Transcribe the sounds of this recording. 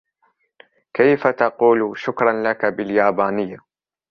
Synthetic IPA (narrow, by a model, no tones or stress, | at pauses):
kajfat̪ɑquːlʃʊkɾˤɑnlakabɪljaːbaːnɪjːa